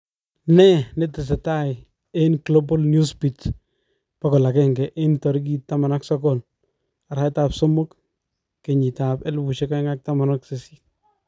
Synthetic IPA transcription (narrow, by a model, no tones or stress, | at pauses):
nɛnetɪs̬ɛtaɪ | enklobɔlnjuspit | pakɔlakɛŋɡɛʔentɔɾɪk̬itːamanaksɔkɔl | aɾajtapsomʊkː | eɲitapɛlbuʃɛkaŋak̚tamanɔksesi̥